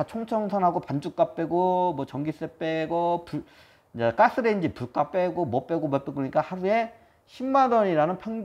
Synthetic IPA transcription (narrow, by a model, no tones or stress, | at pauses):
at͡ɕʰoŋt͡ɕʰʌŋsʰanɦaɡopand͡ʑuk͈̚ap͈e̞ɡomwʌt͡ɕʌŋɡis͈ep͈eɡopuɭ | d͡ʑak͈as͈ɯɾe̞ind͡ʑipuɭk͈ap͈eɡomʌp͈e̞ɡomʌp͈ekɯɯɲik͈ahaɾue̞ | ɕʰimːadʌɲiɾanɯnpʰeŋ